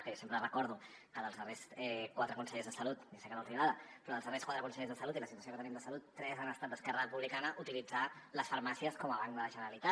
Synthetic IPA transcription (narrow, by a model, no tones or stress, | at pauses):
kjosempɾərəkɔɾðukəðəlzðəresɛkwat̪ɾəkunsəʎezðəsəlut̪nasekəlalt̪iaðəpɾɔðəlˠzðəreskwat̪ɾəkunsəʎezðəsəlut̪iləsit̪wəs̬iokət̪ənimd̪əsəlut̪ːɾɛzanəst̪at̪̚d̪əskɛrəəpuβlikanəʔut̪ilid͡zaləsfəɾmasiəskɔməβaŋkd̪ələʒənəɾəlit̪a